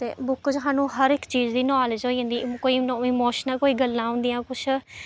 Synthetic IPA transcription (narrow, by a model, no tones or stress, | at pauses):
t̪ḛːbʊkd͡ʒɦãːnũːɦəɾɪkt͡ʃiːd͡ʒd̪iːnaːlɪd͡ʒɦoːiːõnd̪iːkoːiːnɪmoːʃnəlkoːiːɡəlːãːɦʊ̃nd̪ɪjãːkʊt͡ʃʰ